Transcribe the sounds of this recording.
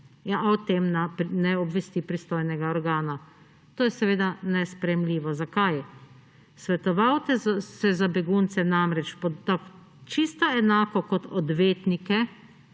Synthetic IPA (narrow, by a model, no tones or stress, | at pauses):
jaʔaɔt̪emnapnɛɔbʋɛst̪ipɾist̪oːjnɛɡaɔɾɡaːna | t̪oːjɛsɛʋeːd̪anɛspɾɛjɛmliːʋɔzakaj | sʋɛt̪ɔʋawt̪ɛsɛzabɛɡunt̪sɛnamɾɛt͡ʃpɔt̪ak | t͡ʃist̪aɛnaːkɔkɔt̪ɔd̪ʋeːt̪nikɛ